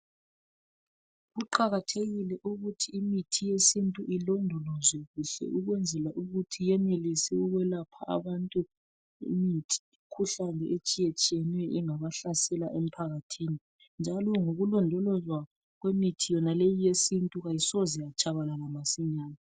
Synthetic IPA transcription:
ɣuǃaɣatʰeɣilɛʔuɣutʰiːmitʰijesintʼuʔilɔndʱɔlɔzwɛɣuɬɛ̰ʔuɣwɛnd͡zʱɛlaʔuɣutʰijɛnelisɛuɣwɛlapʰa̰ʔa̰βantʼu | ḭmitʰi̥ikʰuɬanɛʔet͡ʃʼijet͡ʃʼijɛnwɛʔiŋaβaɬasɛlaʔem̩pʰaɣatʰiːni | nd͡ʒʱalɔŋoɣulɔndʱɔlɔzwa | ɣwemitʰijɔnalejijesintʼuɣajisɔzijat͡ʃʼaβalalamasiɲaːna

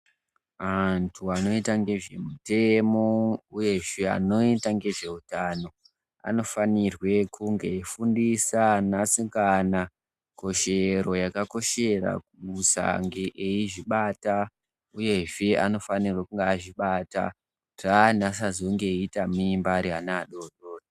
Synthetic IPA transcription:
antʰuano̞itaŋɡe̞ʐe̞mute̞mo̞uje̞ʐe̞a̰no̞itaŋɡe̞ʐe̞utaːno̞ | a̰no̞fanirwe̞kuŋɡe̞fundisanasikana | ko̞ʃe̞ɾo̞jakako̞ʃe̞ra̰kumusa̰ŋɡeʔeiʐiɓata | uje̞ʐe̞ano̞fanirwekuŋɡeaʐiɓata̰ | r̥anasazo̞ŋɡe̞itamimbaɾianaːɗo̞ɗo̞ːdo

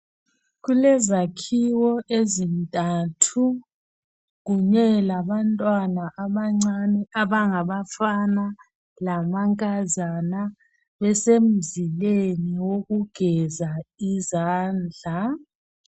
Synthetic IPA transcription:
ɣulɛzakʰiwɔʔezintʼatʰu | ɣuɲɛlaβantʼwanaʔaβaŋ͡ǀanɛaβaŋaβafana | lamaŋkʼazana | βɛsem̩zileniwoɣuɡ̥ʱɛzaizaːnd͡ɮʱa

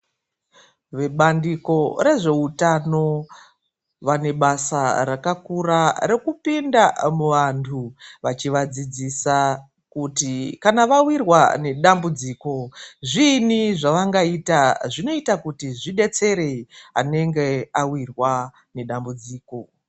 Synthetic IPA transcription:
ʋeɓandiko̞ɾe̞ʐe̞utano̞ | ʋane̞ɓasarakakuɾaɾe̞kupindamuʋantʰuʋat͡ʃiʋad͡zid͡zisa | kutikanaʋawirwa̰ne̞ɗambud͡ziːko̞ʐiniʐaʋaŋɡaitaʐino̞itakutiʐiɗe̞t͡se̞ɾe̞ia̰ne̞ŋɡe̞awirwa | ne̞ɗambud͡ziːko̞

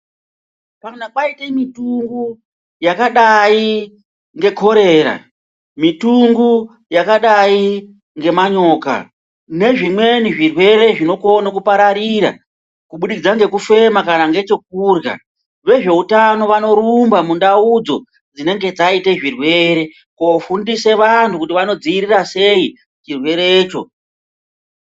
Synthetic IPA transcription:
panakaitemituŋɡu | jakaɗai | ŋɡe̞kʰo̞ɾe̞ːɾa̰ | mituŋɡu | jakaɗai | ŋɡe̞maɲo̞ːka̰ | ne̞ʐimwe̞niʐirwe̞re̞ʐino̞konakupaɾaɾiɾa̰ | kuɓuɗid͡zaŋɡe̞kufe̞makanaŋɡe̞t͡ʃe̞k̚urja̰ | ʋe̞ʐe̞utano̞ʋano̞ɾumbamundaud͡zo̞ | d͡zine̞ŋɡe̞d͡zaite̞ʐirwe̞ɾe̞ | kofundise̞ʋantʰukutiʋano̞d͡ziiɾirase̞i | t͡ʃirwe̞ɾeːt͡ʃo̞̰

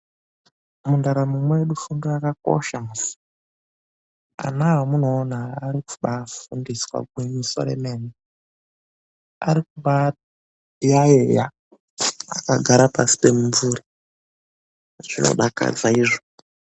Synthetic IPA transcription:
mundaɾamumweeɗufuŋɡaakako̰ʃamusu̥ | a̰nawamuno̞ːnaːɾiku̥ɓafundiswa̰ɡ̚ʱwemiso̰ɾḛmene | a̰ɾikuɓa | ijajeja | akaɡʱaɾapasi̥pe̞muɱvuɾi | ʐino̞̰ɗaka̰d͡zaiʐo

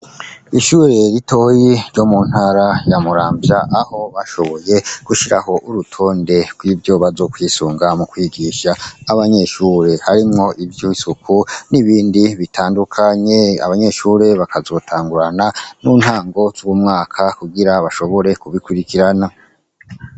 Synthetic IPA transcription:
iʃuːɾe̞ɾito̞ːjiɾɟo̞mun̥haɾajamuɾaːmbjaʔːho̞βaʃo̞βo̞je̞ɡ̥uʃiɾa̰ho̞ʔuɾutʰo̞ːnde̞ɡ̥wiːvjo̞βazo̞ːkwiːsuːŋɡamukwiɡiʃaːβaɲe̞ʃuːɾe̞haɾimŋo̞ʔivjoisukʰuniβiːndiβitʰaːndukʰaɲe̞a̰βaɲe̞ʃuɾe̞βakazo̞ːtʰaːŋɡuɾananunhaːŋɡo̞z̥uwumŋaːkʰakuɡiɾaβaʃo̞βo̞ɾe̞kuβikuɾikiɾana

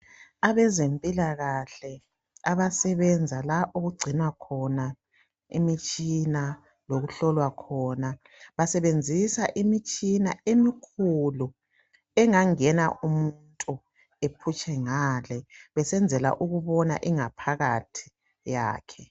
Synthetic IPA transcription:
aβɛzempʼilaɣaɬɛ | aβasɛβɛnd͡zʱalaʔuɣuɡ͡ǀʱinwakʰɔna | ḭmit͡ʃʼina | loɣuɬɔlwakʰɔna | βasɛβend͡zʱisaʔimit͡ʃʼinaemikʰulu | ɛŋaŋɛna̰ʔumuntʼu | epʰut͡ʃʼɛŋaːlɛβɛsɛnd͡zʱɛla̰ʔuɣuβɔna̰ʔiŋapʰaɣatʰi̥ | ja̰ːkʰɛ

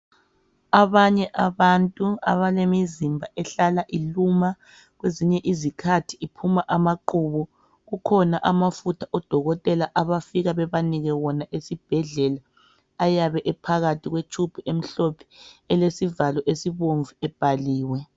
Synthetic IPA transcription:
aβaɲɛʔaβantʼua̰βalemizimbʱaʔɛɬalaʔiluma | ɣweziɲɛʔizikʰatʰiipʰumaʔamaǃuβɔ | ɣukʰɔnaʔamafutʰaʔɔd̥ʱɔɣɔtʼɛlaʔaβafiɣaβɛβaniɣɛwɔnaʔesib̥ʱɛɮɛlaː | jaβɛʔɛpʰaɣatʰiɣwet͡ʃʰʼupʰiʔem̩ɬopʰi̥ɛlesivalɔʔesiβoɱvuɛb̥ʱaliːwɛ

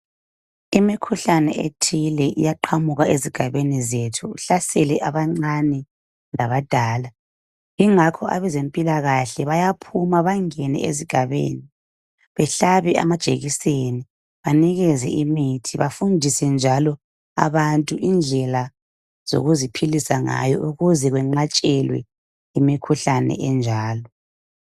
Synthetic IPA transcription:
imikʰuɬanɛ̰ʔḛtʰilɛʔḭjaǃʰamuɣaeziɡ̥ʱaβenizetʰuːɬasɛlɛʔaβaŋ͡ǀanɛ | laβad̥ʱaːla | iŋakʰɔʔa̰βɛzempʼilaɣaɬɛβajapʰumaβaŋɛnɛ̰eziɡ̥ʱaβḛːni | βɛɬaβɛa̰mad̥ʒ̥ʱḛɣiseni | βaniɣɛzɛ̰ʔimitʰiβafundʱisɛnd͡ʒʱalɔ | a̰βantʼuʔind͡ɮʱɛla | z̥o̰ɣuzipʰilisaŋa̰jɔ̰ʔuɣuzɛɣwɛŋ͡ǃat͡ʃʼɛlwɛ̰ | imikʰuɬanɛ̰ʔɛnd͡ʒʱaːlɔ

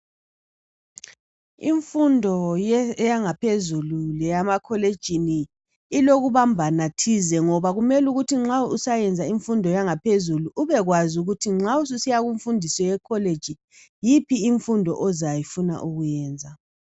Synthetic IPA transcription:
ḭɱfundʱɔjɛjaŋapʰezululɛjamakʰɔled̥ʒ̥ʱiniː | loɣuβambʱanatʰizɛŋɔβaɣumɛluɣutʰiŋ͡ǁausajɛnd͡zʱaiɱfundʱɔjaŋapʰezuluʔuβɛɣwazuɣutʰiŋ͡ǁaus̬usijaɣuɱfundʱisɔjɛkʰɔled̥ʒ̥ʱi | jipʰiːɱfundʱɔ̰ʔɔzajifuna̰ʔuɣujɛːnd͡zʱa

